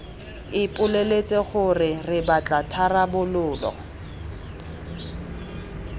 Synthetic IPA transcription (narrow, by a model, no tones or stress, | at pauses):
ɪpʼʊlelet͡sʼeχʊrɪrɪbat͡ɬʼatʰarabʊlʊːlɔ̰